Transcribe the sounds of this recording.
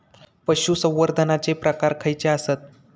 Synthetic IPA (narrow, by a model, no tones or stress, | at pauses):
pəɕusə̃w̃ʋəɾd̪ʱənat͡sepɾəkaɾkʰəjt͡seasət̪̚